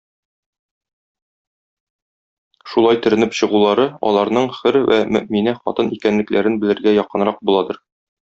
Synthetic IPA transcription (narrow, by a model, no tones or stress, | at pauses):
ʃulˠɑjt̪ɵ̆ɾɘ̆nɘpɕɤ̆ʁulˠɑɾɤɒ̰lˠɑɾnɤɴχɘɾwʔæmɵ̰̆ʔminæχɒ̰t̪ɤnʔikænlɘ̆klæɾɘnbɘ̆lɘ̆ɾɡæjɒqɤ̆nɾɑq̚bulˠɑd̪ɤɾ